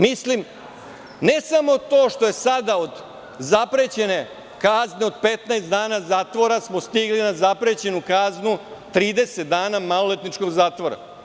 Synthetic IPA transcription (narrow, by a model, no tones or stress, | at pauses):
mislim | ne̞samo̞t̪o̞ːʃt̪o̞je̞sad̪ao̞d̪ | zapɾet͡ɕe̞ne̞ | kazneod̪̚pet̪naest̪d̪aːnazaːt̪ʋo̞ɾasmo̞st̪iɡlinazapɾet͡ɕe̞nukaznut̪ɾiːd̪e̞set̪d̪aːnamalolet̪nit͡ʃko̞ɡzaːt̪ʋo̞ɾa̰